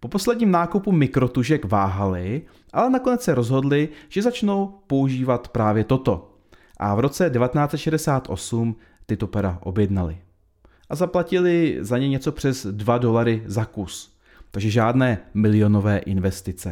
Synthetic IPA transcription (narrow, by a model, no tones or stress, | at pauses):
po̞po̞slɛdɲiːmnaːkupumɪkɾo̞t̪uʒɛkvaːɦalɪ | ʔalɛnako̞nɛt͡ssɛɾo̞zɦo̞dlɪʒ̥ɛzat͡ʃno̞wpo̞uʒiːvat̪pɾaːvjɛt̪o̞t̪o̞ | ʔa̰vɾo̞t͡sɛdɛvat̪ɛnaːt͡sɛt̪ʃɛdɛsaːt̪ʔo̞̰sum | t̪ɪt̪o̞pɛɾaʔo̞̰bjɛdnalɪ | ʔazaplacɪlɪzaɲɛɲɛt͡so̞pr̝̥ɛzdvado̞laɾɪzakus | t̪aɡʒɛʒaːdnɛːmɪlɪo̞no̞vɛːʔɪnvɛst̪ɪt͡sɛ̰